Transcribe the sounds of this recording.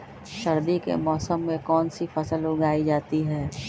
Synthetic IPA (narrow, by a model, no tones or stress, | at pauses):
ʃɐɾd̪ikḛmɔːsəmːẽkɔːnsifɐsəlʊɡaːid͡ʒaːt̪iɦɛː